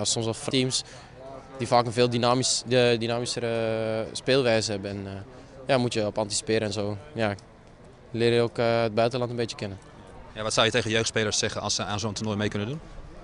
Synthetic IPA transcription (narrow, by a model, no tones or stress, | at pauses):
sɔmsɔftiːms | d̥ifaːkənvɪːlˠdinamdinaːmisəɾəspɪːlˠʋɛjzəhɛbəɛn | jamutjəɔpɑntisi̥pɪəɾəɛnzoːja | lɪːɾjəokəd̚bœɥtəlɑntənbeːtjəkɪnə | jaʋɑtsawjətejɣəjøːxtspejləɹsːɛχəɑ̰lˠsəaːnzontunojmejkɵnəndun